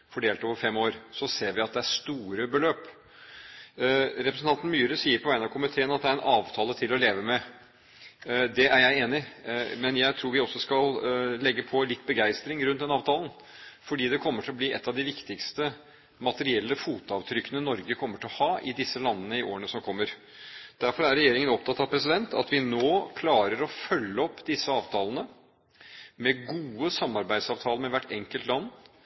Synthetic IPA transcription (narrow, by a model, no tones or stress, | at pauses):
fɔɖeːlt̪oːʋəɾfɛmːoːɾsɔseːɾʋɪɑt̪̚d̪ɛæʂt̪uːɾəbəløːp | ɾɛpɾəsn̩ʰɑnt̪n̩myːɾəsiːəɾpʰɔʋæɪənɑʋkʰʊmɪt̪ʰeːənɑt̪̚d̪ɛæɾɛnʔɑːʋt̪ʰɑːlət̪ʰɪlɔleːʋəmɛ | d̪ɛæɾjæɪeːnɪmɛnjæɪt̪ʰɾuːɾʋɪɔsːɔskɑllɛɡːəpʰɔlɪt̪ːbəɡæɪst̪ɾɪŋɾʉnt̪d̪ɛnɑːʋt̪ʰɑːlən̩ | fɔɖiːd̪ɛkʰɔmːəʈʰɪlɔbliːʔɛ̰t̪ːɑʋd̪ɪʋɪkt̪ɪkst̪ə | mɑt̪əɾɪɛlːəfuːt̪ɑʋt̪ʰɾʏkːənənɔɾɡəkʰɔmːəʈʰɪɔhɑːʔɪd̪ɪsːəlɑnːənəɪʔo̰ːɾəɳəsɔmkʰɔmːəɾ | d̪̥æɾfɔɾæɾɛjeːɾɪŋənɔpt̪ʰɑt̪ːɑʋpʰɾɛsɪd̪ɛnt̪ʰɑ̰t̪ʋɪnoːkʰlɑːɾəɾɔfœlːəɔpːd̪ɪsːəɑːʋt̪ʰɑːlənə | mɛɡuːəsɑmːɑɾbæɪd̪sɑːʋt̪ʰɑːlnmɛʋæʈːɛŋkəlt̪lɑnː